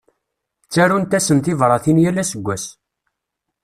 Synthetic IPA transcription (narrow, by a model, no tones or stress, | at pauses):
t͡sːæɾunt̪æsəmt̪ɪvɾˤɑθinjælːæsəɡʷːæs